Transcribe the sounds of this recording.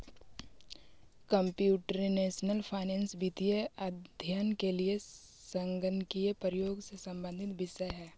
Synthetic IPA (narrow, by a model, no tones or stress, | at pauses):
kə̃mpjuːʈɾineːʃnəlpʰaɪnɛ̃ːnsbiːt̪ijeɐd̪ʱjaːnkelie | sə̃ŋɡənkiepɾjoːɡsesɐ̃mbə̃nd̪ʱɪt̪ʋɪʃəjɦɛː